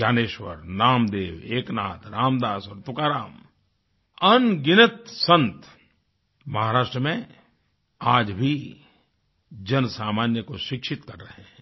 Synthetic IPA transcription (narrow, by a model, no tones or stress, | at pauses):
d͡ʒaːneːʃwə̰ɾnaːmd̪eːʋeːknaːt̪ɾaːmd̪aːsɔːɾt̪ʊkaːɾaːm | ɐnɡɪnət̪sə̃nt̪ | mɐɦaːɾaːʃʈɾəmẽ | aːd͡ʒbʱi | d͡ʒɐnsaːmaːnjəkoʃɪkʃɪt̪kɐɾːəɦɛ̃